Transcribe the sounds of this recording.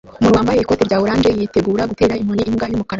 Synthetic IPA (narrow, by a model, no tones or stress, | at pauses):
umunwaːmbajeikoteɾɟaːβuɾaːnd͡ʒejite̞ɡuːɾaɡute̞ːɾaimhoniːmɡajumukaɾ